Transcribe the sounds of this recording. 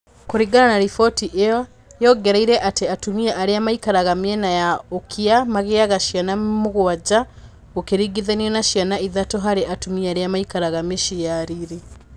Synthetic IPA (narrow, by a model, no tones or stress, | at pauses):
koɾiɡananaɾifɔtiʔejɔ | jɔɡɛɾaiɾɛʔateatumiaʔaɾeamaikaɾaɣamiɛnajaokʰiamaɣeaɣaʃianamuɣwad͡ʒa | okeɾiɡiðaniɔnaʃianaiðatɔɦaɾeʔatumiaɾeamaikaɾaɣameʃiaɾiɾi